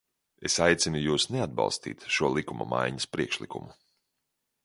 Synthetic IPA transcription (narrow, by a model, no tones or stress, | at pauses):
esajt̪sinujuːsnead̪̚bɑ̰lˠst̪ḭːt̪ʃuɔlˠikumɐ̰ma̰jɲɐspɾiɛkʃlˠikṵmu